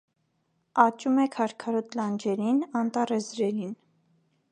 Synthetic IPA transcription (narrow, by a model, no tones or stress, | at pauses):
ɑt͡ʃumɛkʰɑɾkʰɑɾɔt̪lɑnd͡ʒɛɾinɑnt̪ɑrɛzɾɛɾin